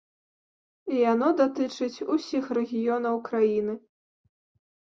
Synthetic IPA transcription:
ijan̪ɔd̪at̪ɨt͡ʂɨt͡sʲusʲixrɛɣʲijɔn̪ɐwkɾajinɨ

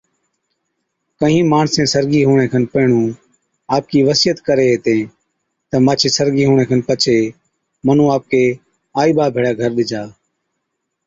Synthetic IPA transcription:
kəɦĩːmaːɳsẽːsəɾɠiːɦuːɳ̃ẽːkʰənpəːɳũː | aːp̚kiːʋəsiːət̪kəɾeːɦeːt̪ẽː | t̪əmaːt͡ʃʰeːsəɾɡiːɦuːɳ̃ẽːkʰənpət͡ʃʰeː | mən̤ũːaːp̚keː | aːiːɓaːbʱeːɽaːɡʱəɾɗɪd͡ʒʱaː

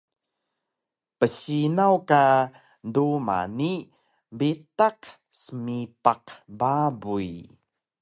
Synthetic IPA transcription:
pəɕinawka | nduma̰ni | bitaq | səmipaqbabuj

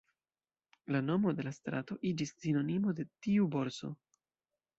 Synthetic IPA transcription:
lano̞mo̞de̞last̪ɾato̞ʔid͡ʒissino̞nimo̞de̞tiubo̞ɾso̞̰

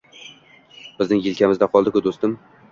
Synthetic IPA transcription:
b̥ɪznɪŋjɪlkʲʰamɪzd̪aqʰɒlˠd̪ɪkʊd̪ost̪ɪm

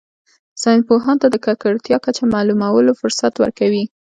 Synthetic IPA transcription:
sɑjnpoɦɑnt̪ad̪əkakaɽt̪jɑkat͡ʃamɑlumawəlofʊɾsat̪wə̰ɾkawi

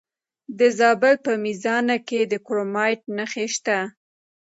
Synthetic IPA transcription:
d̪əzɑbɪlpəmizɑnaked̪əkɾomɑjʈ̚nəxeʃt̪a

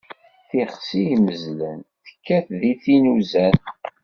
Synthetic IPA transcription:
θiχsijməzlənθə̥kːæθðiθinuzæn

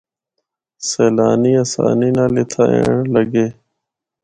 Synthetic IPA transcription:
seːlaːniːəsa̰ːniːnãːlɪt̪ʰaːḛːɳləɡeː

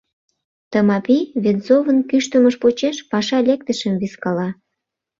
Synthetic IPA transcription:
t̪əmɑpiβenzovənkyʃt̪əməʃpot͡ɕeʃpɑʃɑlʲek̚t̪əʃəmviskɑlɑ

